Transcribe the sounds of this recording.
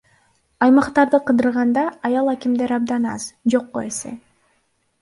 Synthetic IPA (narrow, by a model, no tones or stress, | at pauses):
ɑjmɑqt̪ɑɾd̪ɯqʰɯd̪ɯɾʁɑnd̪ɑɑjɑlˠækʲimd̪e̞ɾɑb̚d̪ɑnɑ̰zd͡ʒo̞qːoe̞se̞̰